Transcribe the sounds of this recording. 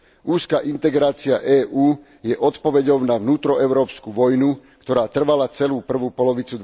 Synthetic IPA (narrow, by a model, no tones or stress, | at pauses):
ʔuːskaʔint̪ɛɡɾaːt͡sia̰ʔɛːʔuː | jɛʔɔt̪pɔʋɛɟɔʊnaʋnuːt̪ɾɔɛʊɾɔːpskuʋɔjnukt̪ɔɾaːt̪r̩ʋalat͡sɛluːpr̩ʋuːpɔlɔʋit͡sud̪